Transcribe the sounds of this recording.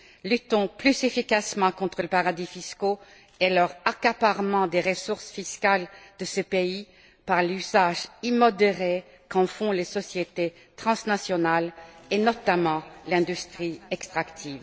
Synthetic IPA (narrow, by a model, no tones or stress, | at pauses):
lyt̪ɔ̃plyzefikasmɑ̃kɔ̃t̪χələpaʁad̪ifisko | elœʁakapaʁmɑ̃d̪eʁəsuʁsfiskald̪̥əsəpei | paʁlyzaʒimɔd̪eʁe | kɑ̃fɔ̃lesɔsjet̪e | t̪χɑ̃snasjɔnalenɔt̪amɑ̃lɛ̃d̪yst̪χiɛkst̪χakt̪ʰiːv